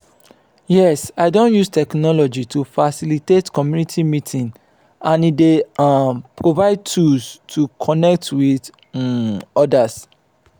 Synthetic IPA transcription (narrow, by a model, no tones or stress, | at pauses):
jɛsaɪdõnjustʰɛknɔlɔd͡ʒitʰufasilitetkɔmjunitʰimitʰĩn | ãnide | pɹovaɪd̚tʰulstʰukʰɔnɛk̚twið | ɔdas